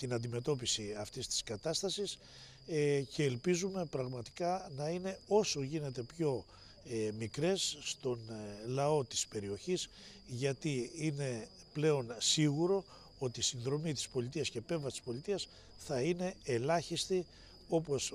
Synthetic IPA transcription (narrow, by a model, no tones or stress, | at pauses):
t̪inɐnd̪ime̞t̪o̞p̬isiɐft̪ist̪i̥skɐt̪ɐst̪ɐsis | ce̞ːlpizume̞pɾɐɣmɐt̪i̥kɐnɐine̞o̞so̞ʝine̞t̪e̞pço̞ | mikɾe̞sst̪o̞nlɐo̞t̪i̥spe̞ɾio̞çis | ʝɐt̪iine̞ | ple̞o̞nsiɣuɾo̞ | o̞t̪isinðɾo̞mit̪i̥spo̞lit̪̬iɐsce̞pe̞vɐst̪i̥spo̞lit̪iɐs | θɐine̞elɐçist̪i | o̞po̞s